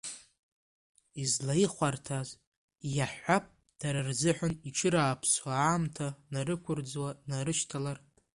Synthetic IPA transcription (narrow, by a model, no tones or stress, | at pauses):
izlaiχʷartʰaz | jaħʷap̚ʼ | d̥aɾarzɨħʷᶣaniʈ͡ʂʰɨɾaːpʰswaːmtʰanarɨkʷʰʊrd͡zwanaɾɨʃtʰalar